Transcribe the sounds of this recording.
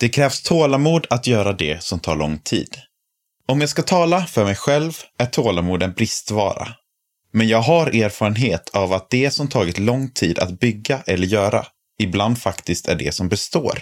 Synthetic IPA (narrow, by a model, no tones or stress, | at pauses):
d̪̥ɛkʰɾɛːvst̪ʰoːlamuːd̪at̪jœːɾad̪ɛsɔmt̪ʰɑ̰ːɾɭɔŋt̪ʰḭːd̪ | ɔmjaskat̪ʰɑːlafœɾmɛjɧɛlvæʈʰoːlamuːd̪ɛnbɾɪst̪vɑ̰ːɾa̰ | mɛnjɑːɡɦaɾeːɾfɑːɾənɦeːt̪ʰavat̪̚d̪̥ɛsɔmt̪ʰɑːɡɪt̪lɔŋt̪ʰiːd̪a̰t̪bʏɡːaʔɛlːəɾjœːɾa̰ | ɪbland̪fakt̪ɪst̪æ̰ɖɛ̰sɔmbɛst̪o̰ːɾ